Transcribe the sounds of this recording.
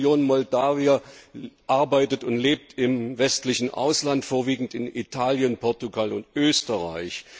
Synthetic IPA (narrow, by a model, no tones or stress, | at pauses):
joːnmɔldaːviaʔaɐbaɪtətʊntleːp̚tɪmvɛstlɪçn̩ʔa̰ʊslantfoːɐviːɡŋ̩tɪnitʰaːljənpʰɔɐtuɡalʊntʔøːstəʁa̰ɪç